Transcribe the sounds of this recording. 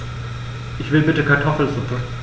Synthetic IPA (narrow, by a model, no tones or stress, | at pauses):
ʔɪçv̥ɪlbɪtəkʰaɐtʰɔfl̩zʊpʰə